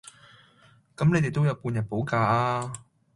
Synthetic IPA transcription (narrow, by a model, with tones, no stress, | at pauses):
kɐ˨˥mne˨˧jt̪jt̪o˥wjɐ˨˧˥wpuː˧njɐ˨˩t̚po˨˥wkaː˧aː˧